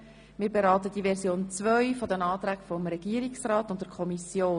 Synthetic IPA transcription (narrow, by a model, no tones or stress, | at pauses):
mɪːɾbeɾɑːtəd̥iʋɛɾsjoːnt͡sʋœʏfɔdɛnɑːt̪ɾæɡfɔmɾɛɡ̥iəɾiksrɑːtʊnt̚dɛɾkʰɔmisjoː